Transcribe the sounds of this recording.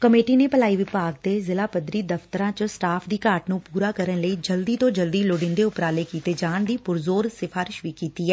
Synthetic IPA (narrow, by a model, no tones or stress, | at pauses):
kəmeːʈiːneːpəlaːiːʋɪpaːɡ̚d̪eːzɪlaːpəd̪ɾiːd̪əft̪əɾãːt͡ʃsʈaːpʰd̪iːkaːɾʈnũːpuːɾaːkəɾənləiːd͡ʒəld̪iːt̪õːd͡ʒəld̪iːloɖɪ̃nd̪eːʊpɾaːleːkiːt̪eːd͡ʒaːnd̪iːpʊɾzoːɾsɪfʰaːɾɪʃʋiːkiːt̪iːɦɛː